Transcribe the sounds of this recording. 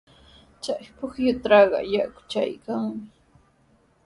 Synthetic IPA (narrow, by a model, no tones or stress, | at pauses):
t͡ʃajpʊχjʊt̪ɾɑɢɑ̰jaʔkʊ̥t͡ʃa̰jkaŋmɪ